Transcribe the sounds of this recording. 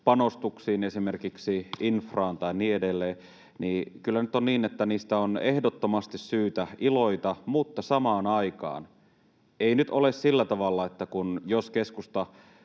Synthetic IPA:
pɑnost̪uksiːnesimerkiksiinfrɑːnt̪ɑinniːedelːeː | niːkylːænyt̪onniːnet̪ːæniːst̪æonehdot̪ːomɑst̪issyːt̪æʔiloit̪ɑmut̪ːɑsɑmɑːnɑikɑ̰ːn | einyt̪olessilːæt̪ɑʋɑlːɑet̪ːækunjoskeskust̪ɑ

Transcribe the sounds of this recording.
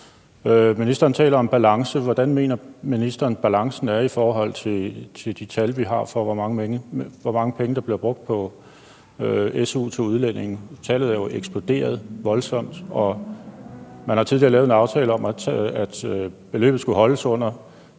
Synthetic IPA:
øminisd̥ɐːnt͡sʰɛ̰ːlɐɒ̽mb̥ælɑ̈ŋsəʋɒd̥ænme̝̰ːnɐminisd̥ɐːn̩b̥ælɑ̈ŋsn̩æɐifɒːɦɒ̽l̰t͡sʰe̝t͡sʰe̝d̥it͡sʰælʋiɦɑ̈fɒ̽ʋɒmɑ̈ŋəeŋəʋɒmɑ̈ŋəpʰeŋəd̥ɑ̈b̥liɐb̥ʁɔ̽ɡ̥̚d̥̚pʰɒ̽ | øesuːt͡sʰo̝uð̞ˠlen̰e̝ŋn̩t͡sʰæːlð̩ˠæɐjo̝ʔeɡ̥sb̥lo̝d̥e̝̰ːɐð̞ˠʋɒ̽lsɒ̽m̰d̥ɒ̽ | mænhɑ̈t͡sʰið̞ˠliɐlɛːʊenɑ̈ʊt͡sʰɛːləɒ̽mææd̥b̥e̝lø̰ːb̥ð̩ˠsɡ̥uɦɒ̽ləsɔ̽n̰ɐ

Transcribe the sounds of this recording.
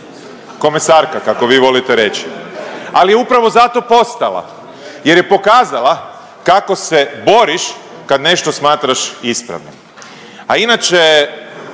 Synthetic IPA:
ko̞mesaːɾkakako̞ʋiːʋo̞lit̪eɾe̞t͡ʃialijeupɾaʋozat̪o̞po̞st̪alˠa̰ | jeɾjepo̞kaːzalˠa | kako̞se̞bo̞ɾiʃ | kad̪ne̞ʃt̪o̞smaːt̪ɾaʃispɾa̰ʋno̰ | ainat͡ʃe

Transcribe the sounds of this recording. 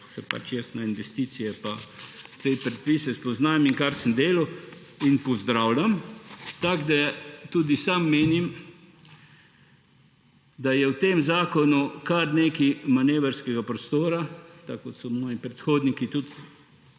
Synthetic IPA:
sɛpa̰t͡ʃjɛsnainʋɛst̪iːt̪sijɛpat̪epɾɛt̪̚piːsɛspɔznaːmiŋkaɾsəmd̪eːlo | inpɔzd̪ɾaːwlamt̪aɡd̪at̪uːd̪isamːeːnim | d̪ajɛwt̪emzaːkɔnukaɾneːkimaneːʋɛɾskɛɡapɾɔst̪oːɾat̪akːot̪sɔmɔːjipɾɛt̪xoːd̪nikit̪ut̪

